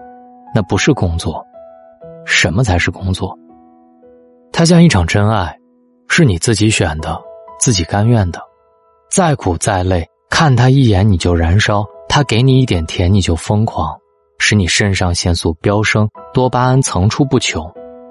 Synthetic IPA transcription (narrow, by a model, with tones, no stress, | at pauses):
na˥˩pu˧˥ʂɻ̩˥˩kʊ˥ŋt͡swɔ˥˩ | ʂə˧˥nmə˧t͡sʰa˧˥ɪʂɻ̩˥˩kʊ˥ŋt͡swɔ̰˥˩ | t̪ʰa˥ɕ̬jɑ˥˧ŋi˥˩ʈ͡ʂʰɑ˨˩ŋʈ͡ʂə˥na˥˩ɪ | ʂɻ̩˥˩ni˨˩t͡sɹ̩˥˩t͡ɕi˧˥ɕɥɛ˨˩nd̪ə˦t͡sɹ̩˥˩t͡ɕi˨˩ka˥nɥɛ˥˩nd̪ə˩ | t͡sa˥˩ɪkʰu˨˩t͡sa˥˧ɪle˥˩ɪ | kʰa˥˩nt̪ʰa˥i˥˩jɛ˧˥nni˨˩t͡ɕjo˥˩ʊɻa˧˥nʂɑ˥ʊt̪ʰa˥ke˧˥ɪni˨˩i˥˩t̪jɛ˨˩nt̪ʰjɛ˧˥nni˨˩t͡ɕjo˥˩ʊfɤ˥ŋkʰwɑ˧˥ŋ | ʂɻ̩˧˥ni˨˩ʂə˥nʂɑ˥˧ŋɕjɛ˥˧nsu˥˩pjɑ˥ʊʂɤ˥ŋt̪wɔ˥pa˥a˥nt͡sʰɤ˧˥ŋʈ͡ʂʰu˥pu˥˩t͡ɕʰjo˧˥ʊ